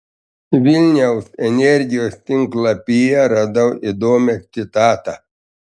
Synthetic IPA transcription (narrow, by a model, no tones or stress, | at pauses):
ʋʲilʲnʲɛʊsɛnʲɛɾʲɡʲɪjoːst̪ʲɪŋklˠɐpʲijɛɾɑd̪ɐwid̪oːmʲɛt̪ʲɪt̪ɑːt̪ɐ